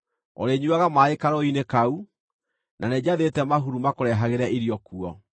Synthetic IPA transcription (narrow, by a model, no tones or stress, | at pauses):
ɔ̰ɾeɲuwaɣamaekaɾɔinekau | nanɛd͡ʑaðetɛmaɦuɾumakoɾɛɦaɣeɾaʔiɾiɔkuɔ